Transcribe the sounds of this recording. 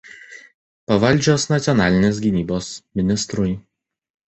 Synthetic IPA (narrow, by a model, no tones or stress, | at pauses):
pɐʋɐlʲˑd͡ʒʲoːsnɐt̪sʲjɔnɑːlʲɪnʲeːs̬ɡʲɪnʲiːboːsmʲɪnʲɪst̪ɾʊj